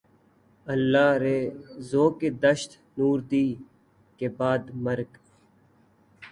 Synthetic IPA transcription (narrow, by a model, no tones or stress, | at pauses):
əlːaːɾeːzoːkeːd̪əʃt̪ | nuːɾd̪iː | keːbaːd̪məɾk